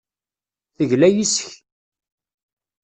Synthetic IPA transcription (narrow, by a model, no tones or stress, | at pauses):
θəʝlæjisəç